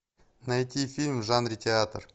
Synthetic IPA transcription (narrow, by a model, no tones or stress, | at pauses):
najt̪ʲifʲilʲmʒanrʲitʲeat̪r